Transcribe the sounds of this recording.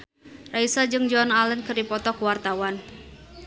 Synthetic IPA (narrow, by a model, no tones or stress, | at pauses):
raisad͡ʒɨŋd͡ʒɔnalənkɨrdipɔt̪ɔkuwart̪awan